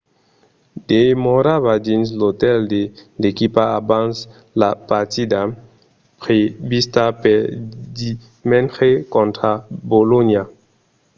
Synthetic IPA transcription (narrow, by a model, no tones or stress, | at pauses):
demoɾavad͡ʒins̬loteldelekipaabans | lapatida | pɾebistapedi | menxekontɾabolonia